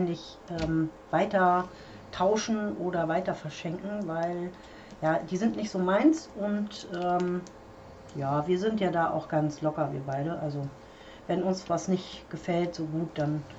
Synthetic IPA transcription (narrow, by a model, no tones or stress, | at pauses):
nlɪç | ʔɛːmvaɪtɐ | tʰaʊʃn̩ʔoːdɐvaɪtɐfɛɐʃɛŋkŋ̩vaɪl | jaːdiːzɪntnɪçtz̥oːmaɪnsʔʊntʔɛːm | jaːviːɐzɪntjaːdaːʔa̰ʊxɡ̥ant͡slɔkɐvḭːɐbaɪɾəʔalzo | vɛnʊnsv̥asnɪçtɡ̥əfɛltz̥oːɡuːt̚d̥an